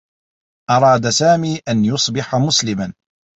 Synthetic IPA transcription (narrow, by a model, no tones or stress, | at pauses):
ʔɑɾˤɑːd̪asaːmiːʔanjʊsˤbɪħamʊslɪman